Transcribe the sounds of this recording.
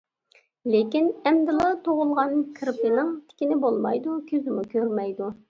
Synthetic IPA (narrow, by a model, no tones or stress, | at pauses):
lekʲinɛmd̪ɪlˠɨt̪ʰoʁʊlˠʁɑnkʰɾpɪnɪŋt̪ʰɪ̥kʲinɪbolˠmɑ̰jd̪ukʲʰøzɪmukʲʰøɾmɛjd̪u